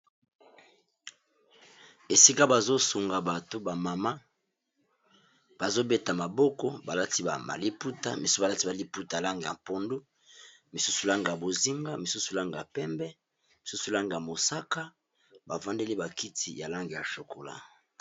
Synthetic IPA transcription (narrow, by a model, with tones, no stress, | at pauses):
e˨si˦ka˦ba˨zo˦su˨ŋɡa˨ba˨to˦ba˨ma˨ma˦ | b̥a˨zo˦be˦ta˨ma˨bɔ˦kɔ˦ba˨la˦ti˦ba˨a̰˨li˦pu˦ta̰˦mi˨su˦˨ba˨la˦ti˦ba˨li˦pu˦ta˨a˨la˦ŋɡe˨ja̰˨po˦ndu˦ | mi˨su˦su˨la˦ŋɡi˨ja˨bo˨zi˦ŋɡa˦mi˨su˦su˨la˦ŋɡi˨a˨pɛ˦mbɛ˦ | mi˨su˦su˨la˦ŋɡi˨ja˨mo˨sa˦ka˦ | ba˨vã˦nde˦li˦ba˨ki˦tʰi˨ja˨la˦ŋɡe˨ja˨ʃo˨kʰo˨la̰˨